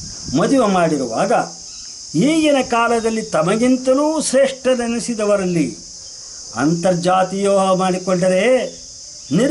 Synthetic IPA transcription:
mɐd̪iʋemaːɽiɾuʋaːɡɐ | iːɡinɐkaːlɐd̪ɐlːit̪ɐmɐɡint̪ɐnuːʃɾeːʂʈɐnɐnisid̪ɐʋɐɾɐlːi | ɐ̰nt̪ɐɾd͡ʒaːt̪ijoːmaːɽikɔɳɖɐɾe | niɾ

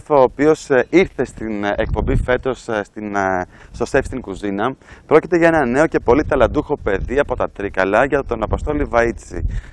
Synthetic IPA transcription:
foːpio̞siɾθest̪inḛk̚po̞mbife̞t̪o̞sst̪inst̪osefst̪iŋkuzinɐpɾo̞cit̪e̞ʝɐe̞nɐne̞o̞ce̞po̞lit̪ɐlɐd̪uxo̞pe̞ðiɐpo̞t̪ɐt̪ɾikɐlɐʝɐt̪o̞nɐpo̞st̪o̞livɐit͡sḭ

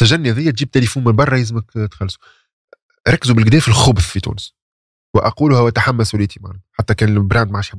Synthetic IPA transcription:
sæʒænːihæðɪjːæt̪ʒiːb̚t̪elifuːnmɪnbɑrˤːɑjɪzməkt̪xɑlːsu̥ | ɾˤɑkːzubɪlɡd̪ɛːfɪlxʊbθˤfit̪ṵːnəs | wɪʔɑquːlʊhæwʔæt̪aħamːæsulit̪ʰima̰ʕnɛħat̪ːækɛːnbɾaːnd̪̚maʕaːʃħab

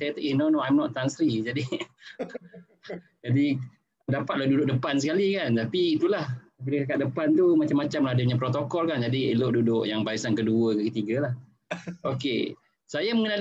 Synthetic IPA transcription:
sajat̪əʔinonoajmnɔʔ̪t̪ansəɾid͡ʒadi | d͡ʒadi | dapat̪̚lahdudʊk̚dəpansəkalikant̪apiːt̪ulah | biləkakaʔ̪̚dəpant̪umat͡ʃamːat͡ʃamlahadəp̚ɲap̬ɾot̪okɔlkand͡ʒadiḛloʔ̚dudʊʔjaŋbaisankəduəkəkət̪iɡalah | okḛ | sajaməŋənal

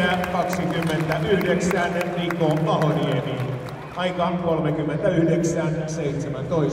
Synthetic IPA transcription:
ækɑksikymːent̪æyhdeksæːnːenʋiːkoːmpɑhonieniː | ʔɑikɑːŋkolmekymːent̪æyhdeksæːnseit̪semænt̪oi

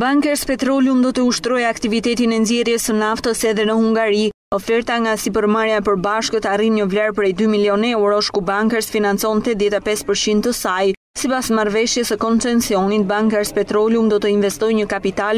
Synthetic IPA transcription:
baŋkɛɾspɛt̪ɾɔlumd̪ɔt̪əuʃt̪ɾɔjakt̪ivit̪ɛt̪inɛnzɛɾjɛsənaft̪əsɛðɛnəhuŋɡaɾi | ɔfɛɾt̪aŋɡasip̬əɾmaɾjapəɾbaʃkət̪arimɲəvlaɾp̬ɾɛjd̪ymiliɔnɛwɾɔʃkubaŋkəsfinant͡sɔnt̪ɛt̪ðjɛt̪apɛspəɾt͡ɕint̪əsaj | sipasmaɾvɛʃjɛsəkɔnt͡sɛnsiɔnit̪̚baŋkɛɾspɛt̪ɾɔlumd̪ɔt̪əinvɛst̪ɔjɲəkapit̪al

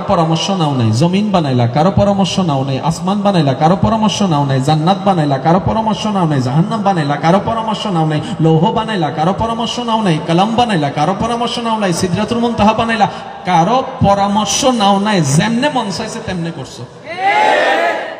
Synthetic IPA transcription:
pɔɾamɔɾsɔnaw̃naĩzɔminbanajlakaɾɔpɔɾamɔɾsɔnaw̃naĩʔasmanbanajlakaɾɔpɔɾamɔɾsɔnaw̃naĩzanːat̪̚banajlakaɾɔpɔɾamɔɾsɔnawnaĩzaɦanːabanajlakaɾɔpɔɾamɔɾsɔnaw̃naĩlowɦobanajlakaɾɔpɔɾamɔɾsɔnaw̃naɦĩkɐlambanajlakaɾɔpɔɾamɔɾsɔnaw̃naj̃sid̪ɾat̪ɾumɔnt̪aɦabanajla | kaɾɔpɔɾamɔɾsɔnawnaj̃zemnemɔnsajset̪emnekɔɾsɔ

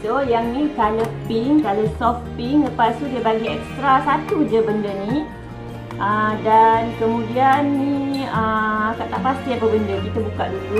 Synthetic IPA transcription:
ojaŋnikaləpiŋkaləsɔfpiŋləpasudəbaɡiɛkst̪ɾasat̪ud͡ʒəbəndəni | ʔədankəmũdianːiəakaʔt̪aʔpast̪iapəbəndəkit̪əbukaʔdudu

